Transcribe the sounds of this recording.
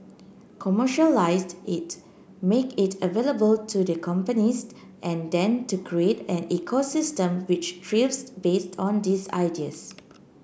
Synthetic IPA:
kʰɔməʃəlaɪsdɪt | mekɪtəveləbəltʰudəkʰɔ̃mpənis | ʔɛ̃ndɛ̃ntukʰɹietɛ̃nɛkʰosɪstə̃mwɪt͡ʃtɹivsbestʰɔ̃ndisa̰jdiəs

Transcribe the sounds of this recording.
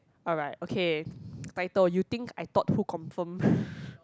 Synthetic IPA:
ʔɔlɹaɪtokʰetaɪtəljut̪ĩŋkʰajt̪ɔt̚hukʰɔ̃ɱfə̃m

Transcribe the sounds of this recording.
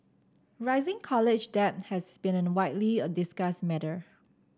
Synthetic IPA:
ɹaɪzɪ̃ŋkʰɔlɪd͡ʒdɛt̚hɛsbĩnɛ̃nwaɪtliədɪsɡasmɛɾə

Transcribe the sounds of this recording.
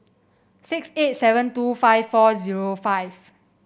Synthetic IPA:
sikset̚sɛvə̃ntufajfːɔziɹofajv

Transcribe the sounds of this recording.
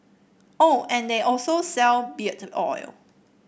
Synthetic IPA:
oɛ̃ndeʔɔlsosɛlbitɔ̰jl

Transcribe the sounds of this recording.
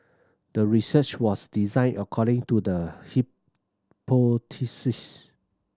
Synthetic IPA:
d̥əɹisət͡ʃwɔsdizãɪ̃nʔəkʰɔɾɪ̃ŋtudəhi | potʰisis

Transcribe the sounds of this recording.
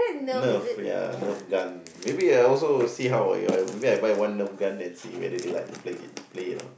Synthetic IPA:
nəfja̰nəfɡãn | mebiaɔlsosiːɦawa̰ɪa̰jmebiajbajwãnːəp̚ɡãndɛ̃nsiːwɛ̰dədila̰ɪk̚tʰupʰleɪ̰t̚plenɔ̰

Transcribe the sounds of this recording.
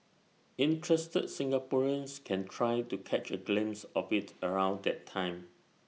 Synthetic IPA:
ĩntʰɹɛstə̰d̚sɪ̃ŋɡapɔɹə̃nskʰɛ̃ntʰɹajtukʰɛt͡ʃəɡlɪ̃msɔfitəɹãw̃ndɛtʰãɪ̃m

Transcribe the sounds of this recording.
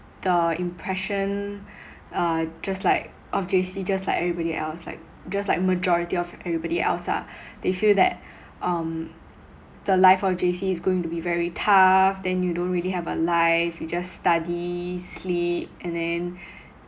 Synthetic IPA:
d̥əĩmpʰɹɛʃə̃n | ʌd͡ʒastlaɪk̚ | ʔɔfd͡ʒesid͡ʒastlaɪkɛvɹibɔɾiʔɛ̰lsla̰ɪk̚ | d͡ʒastlaɪk̚məd͡ʒɔɹitiɔfʔɛvɹibɔɾiɛ̰lsa̰d̥efildɛ̰t̚ | ʔʌ̃m | d̥əlaɪfɔfd͡ʒesiːsɡoɪ̃ŋtubivɛɹitʰafdɛ̃njudõnt̚ɹiliɦɛvəlaɪfjud͡ʒasstadislip̚ɛ̃ndɛ̃n

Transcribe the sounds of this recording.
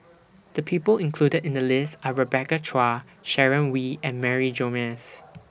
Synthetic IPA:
d̪̥əpʰiːpəlɪ̃nkʰl̥udədɪ̃ndəlɪstaɹəbɛkət͡ʃʰɹa | ʃɛɹə̃nwiɛ̃nmɛɹid͡ʒomɛs

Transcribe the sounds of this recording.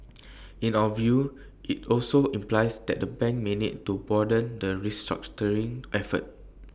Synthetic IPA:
ĩnaəvju | ʔitɔlsoĩmplaɪsdɛ̰ʔ̚dəbɛ̃ŋk̚menḭd̚tubɔdə̃ndəɹistɹa̰k̚t͡ʃəɹĩŋʔɛfə̰t̚

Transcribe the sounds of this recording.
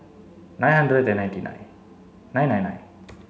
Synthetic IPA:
najɦand̪ɾejt̪enajtinʔa̰j | najnajna̰j

